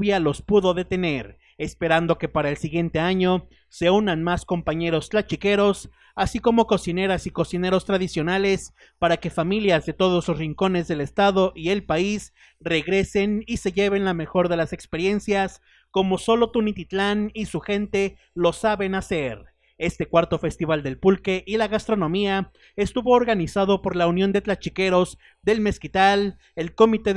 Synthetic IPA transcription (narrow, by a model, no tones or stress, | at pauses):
βjalo̞spuðo̞ðe̞t̪e̞ne̞ɾ | e̞spe̞ɾand̪o̞ke̞paɾaelsiɣje̞nt̪e̞aɲo̞ | se̞unanmasko̞mpaɲe̞ɾo̞st̪lat͡ʃike̞ɾo̞s | asiko̞mo̞ko̞sine̞ɾasiko̞sine̞ɾo̞st̪ɾaðisjo̞nale̞s | paɾake̞familjazðe̞t̪o̞ð̞o̞slo̞sriŋko̞ne̞zðe̞le̞st̪aðo̞ʔie̞lpais | re̞ɣɾe̞se̞nise̞ʝe̞βe̞nlame̞xo̞ɾðe̞lase̞kspe̞ɾje̞nsjas | ko̞mo̞so̞lo̞t̪unit̪it̪lanisuxe̞nt̪e̞ | lo̞saβe̞nase̞ɾ | e̞st̪e̞kwaɾt̪o̞fe̞st̪iβ̞ald̪e̞lpulke̞ʔilaɣast̪ɾo̞nõ̞mia | e̞st̪uβo̞ːɾɣanisað̞o̞po̞ɾlaunjo̞nd̪et̪lat͡ʃike̞ɾo̞z | ðe̞lme̞skit̪al | e̞lko̞mit̪e̞